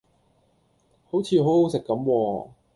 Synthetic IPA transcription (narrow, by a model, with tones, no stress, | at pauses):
ho˨˥wt͡sʰiː˧ɦo˨˥who˨˥wsɪ˨kːɐ˨˥mwɔː˧